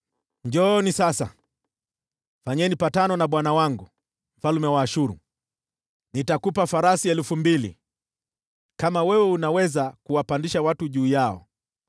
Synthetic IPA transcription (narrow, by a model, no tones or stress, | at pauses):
ɲd͡ʒɔnisasa̰ | faɲɛnipatanɔnaɓwanawaŋɡu | m̩falumɛwaːʃuɾṵ | nitakupafaɾasiɛlufumbilḭ | kamawɛwɛunawɛzakuwapandiʃawatuʄuːjaɔ̰